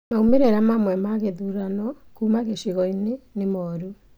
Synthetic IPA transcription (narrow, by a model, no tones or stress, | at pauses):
maumeɾeɾamamwɛmaɣeðuɾanɔkumaɣeɕiɣɔinenemɔɾu